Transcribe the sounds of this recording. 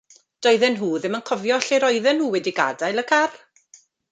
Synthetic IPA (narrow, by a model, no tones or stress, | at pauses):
d̥ɔɨðɛnɦuːðɪmənkʰɔvjɔɬeɾɔɨðɛnhuːwɛdiɡa̰dajlˠəkʰar